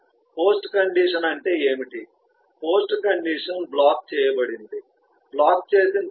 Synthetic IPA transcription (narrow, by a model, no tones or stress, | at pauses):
poːsʈkɐɳɖiːʂɐnɐɳʈe̞ːeːmiʈi | po̞ːsʈkɐɳɖiːʂɐnblaːk̚t͡ʃɛːjɐbɐɽind̪i | blaːk̚t͡ʃe̞ːsin